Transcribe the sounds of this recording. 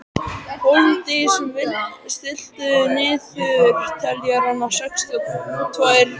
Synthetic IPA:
hont̪ɪsɛmvɪst̪ɪl̥t̪ʏnɪːðfʏɾt̪ʰɛljaɾanasɛkst̪ʏkut̪ʰvajɾ̥

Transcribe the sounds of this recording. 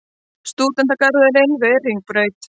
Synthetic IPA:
st̪uːt̪ɛnt̪̬akaɾðɛlenvɛriŋk̚pɾœɥt̪

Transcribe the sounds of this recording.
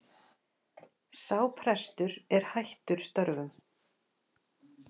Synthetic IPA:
saːwpʰɾɛst̪ʏɾɛɾ̥hajht̪ʏɾ̥st̪œɾvʏm

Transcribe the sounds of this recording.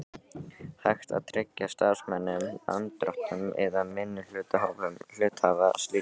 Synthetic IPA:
hajxt̪a̰ðt̪ʰɾɛcːast̪aɾ̥smɛnːʏma̰nt̪ɾɔ̰ht̪nʏmɛ̰ðamɪnːʏl̥ʏːt̪aɦavʏml̥ʏːt̪hava̰st̪liː

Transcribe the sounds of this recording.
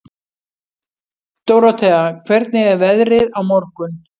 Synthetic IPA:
t̪oːwɾawt̪ʰɛɣakʰvɛɾt̪nɪɛɾvɛðɾɪðawmɔɾ̥kʏn

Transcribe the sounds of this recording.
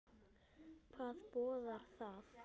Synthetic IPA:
kʰvaːðpɔːðaɾ̥θað

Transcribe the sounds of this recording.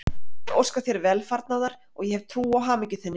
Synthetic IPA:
ɛowskaθjɛɾvɛlfaɾt̪naðaɾ̥ | ɔɣjɛhɛv̥t̪ʰɾuːawɦaːmɛcʏθɛnːɪ

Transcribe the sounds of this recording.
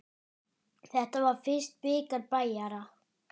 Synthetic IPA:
θɛht̪avaɾ̥fɪr̥st̪̚pɪːkaɾpaːjaɾa

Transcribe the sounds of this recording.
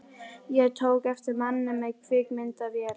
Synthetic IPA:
jɛɣt̪ʰoːwkɛft̪ɪɾmanːɪmɛɣkʰvɪːkmɪnt̪avjɛːl

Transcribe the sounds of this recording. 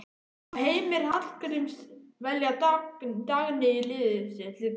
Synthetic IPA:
ɦejmɪɾ̥hal̥kɾimsvɛljat̪t̪aɣnɪilɪːðɪsɪlɪ

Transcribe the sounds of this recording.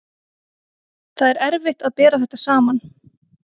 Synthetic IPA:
θaðɛɾɛɾvɪht̪aðpɛːɾaθɛht̪asaːman

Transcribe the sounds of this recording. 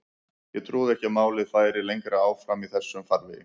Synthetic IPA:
jɛɣt̪ʰɾuːðɛhcɪamaːwlɪðfajɾɪlejŋkɾaaːwfɾamiθɛsːʏmfaɾvɪ

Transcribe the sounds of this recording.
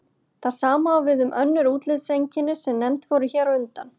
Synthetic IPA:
θaðsaːmaːwvɪðʏmʔœnːʏɾuːt̪lɪðsejɲcɪnɪsɛmnɛmt̪vɔɾʏçɛːɾaʏnt̪an

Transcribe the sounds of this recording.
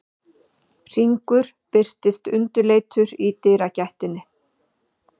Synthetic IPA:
r̥iŋkʏɾ̥ | pɪr̥t̪ɪst̪ʏnt̪ʏleːjt̪ʰʏɾit̪ɪːɾacaht̪ɪnːɪ

